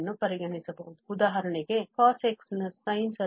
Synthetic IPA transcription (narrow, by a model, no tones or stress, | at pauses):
nːupɐɾiɡɐɳisɐbɐ̰ʋud̪uud̪aːɦɐɾɐɳeɡe̞kaːseksnɐsɐjnsɐ